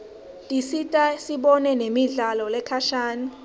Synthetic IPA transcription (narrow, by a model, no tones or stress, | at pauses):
tʼisitʼasiɓɔnɛnemiɮalɔlɛkʰaʃaːni